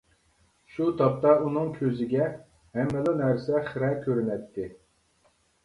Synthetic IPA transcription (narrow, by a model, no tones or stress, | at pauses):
ʃut̪ʰɑp̚t̪ɑunɨŋkʲʰøzɪɡʲɛ | hɛmːɛlˠɨnɛɾsɛχɪɾɛkʲʰøɾynɛt̪ʰːɪ